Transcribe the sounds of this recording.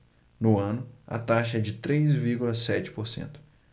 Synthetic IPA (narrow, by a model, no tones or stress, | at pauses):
nʊɐ̃nʊɐ̰t̪aʃɐɛd͡ʒɪt̪ɾejzviɾɡulɐsɛt͡ʃɪ̥poɾsḛ̃nt̪ʊ̥